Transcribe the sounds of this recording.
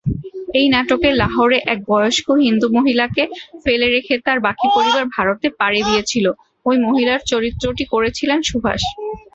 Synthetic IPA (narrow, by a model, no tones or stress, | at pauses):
ejnɛʈokelaɦoɾeʔɛk̚bɔjoʃkoɦind̪umoɦilakefeleɾekʰet̪aɾbakipoɾibaɾbʱaɾot̪epaɾed̪ijet͡ɕʰilo | ojmoɦilaɾt͡ɕoɾit̪ːɾoʈikoɾet͡ɕʰilenʃubʱa̰ʃ